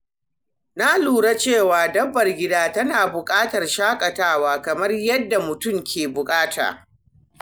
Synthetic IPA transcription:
na˦luː˨ɽa˦t͡ʃeː˦˨waː˨dɐ˦bːɐ˨rɡʲɪ˦daː˦tɐ˦naː˨bʊ˨kʼaː˦tɐ˨rʃaː˦kʼɐ˨taː˦˨waː˦kɐ˨mɐ˦rjɐ˦dːa˨mʊ˨tʊ˦mkʲeː˨bʊ˨kʼaː˦tʰa̰ː˨

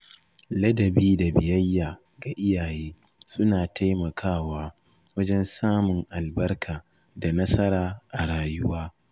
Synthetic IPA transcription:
lɐ˦dɐ˨biː˦da˨bɪ˨jɐ˦jːaː˨ | ɡa˨ʔɪ˦jaː˨jeː˦ | sʊ˦naː˨tʰa˦jmɐ˨kʰaː˦waː˦ | wɐ˦d͡ʒɛ˦nsaː˦mʊ˨ŋʔa˨lbɐ˦rkʰaː˨ | da˨nɐ˦sɐ˦ɾaː˦ʔa˨ɽaː˨jʊ˦waː˦

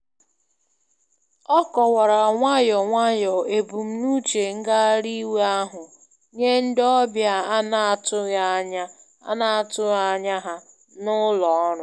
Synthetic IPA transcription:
ɔ˦kɔ˨wa˨ɾa˨ŋʷa˦jɔ˨ŋʷa˦jɔ˨e˨bu˨m̩˦nu˦t͡ʃe˨ŋ̩˦ɡa˦ɾi˦we˦a˦ɦʊ˨ | ɲe˦n̩˦dɔ˦bja˦a˦na˦tʊ˦ja˦ɲa˦ | a̰˦na˦a˨tʊ˦a˦ɲa˦ɦa˦ | nʊ˦lɔ˨˦ɾʊ˦

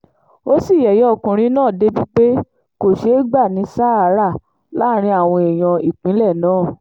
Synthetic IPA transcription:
o˦si˦˨jɛ˨jɛ˨˦ɔ˦˨kũ˨ɾ̃ĩ˧˦nãː˦˨de˦bi˦k͡pe˦ | ko˨ʃe˨˦ɡ͡ba˦˨nĩ˨˦saː˦a˦ɾa˦˨ | la˦ɾ̃ĩ˧a˨w̃ɔ̃˧e˨j̃ɔ̃˧i˨k͡pĩ˨˦lɛ˦˨nãː˦˨

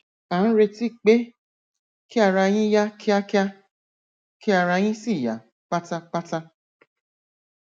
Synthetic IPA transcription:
a˨˦ɾe˧ti˦˨k͡pe˦ | ki˦a˦˧˨ɾa˧j̃ĩ˦ja˦kʰi˦a˦ki˦a˦ | ki˦a˧˨ɾa˧j̃ĩ˦si˦˨ja̰˨˦ | k͡pa˦ta˧k͡pa˦ta˧

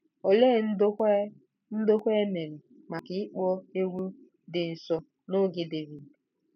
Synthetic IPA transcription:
o˨le˦˨n̩˦dʷ | n̩˦do˦kʷe˦me˨ɾɪ˨ | ma˨kɪ˨i˦k͡pɔ˦e˦ɡʷu˦ | dɪ˨n̩˨sɔ˨ | no˦ɡɪ˨de˨vi˨d

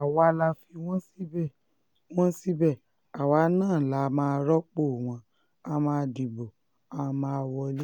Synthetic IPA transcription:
a˨wa˨˦la˧fi˧w̃ɔ̃˦si˦bɛ˦˨ | w̃ɔ̃˦si˦bɛ˦˨ | a˨wa˨˦nãː˦˨la˨˦˧mãː˧ɾɔ˦k͡po˦˨w̃ɔ̃˧ | a˧mãː˧di˨bo˨ | a˧mãː˧wɔ˧˦le˦

